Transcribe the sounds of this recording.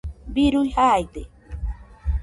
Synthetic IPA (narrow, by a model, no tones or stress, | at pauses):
biɾujhajd̪e